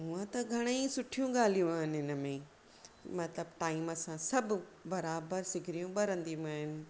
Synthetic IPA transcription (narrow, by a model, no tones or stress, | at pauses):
ɦuə̃t̪ɐɡʱɐɽ̃eĩsʊʈʰijũɠaːl̤ijũaːɦɪnɪɦɪnəmẽ | mɐt̪ləb̚ʈaːɪmɐsãsɐbʱbɐɾaːbəɾsɪɡʱɾijũɓɐɾə̃nd̪iaːɦɪnɪ̆